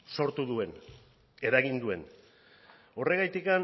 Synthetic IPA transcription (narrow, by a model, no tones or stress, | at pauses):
so̞ɾt̪uðue̞n | e̞ɾaɣ̞ind̪ue̞n | o̞re̞ɣajt̪ikan